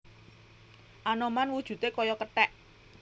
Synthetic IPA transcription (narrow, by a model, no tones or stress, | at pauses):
ʔanomanwud̥ʒ̥ṳt̪ekɔjɔkəʈɛʔ